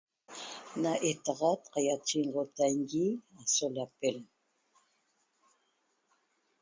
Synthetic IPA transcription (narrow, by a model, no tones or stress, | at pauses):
naʔet̪ɑʁɑt̪qɑjat͡ʃiɴʁot̪aŋɡiasolapel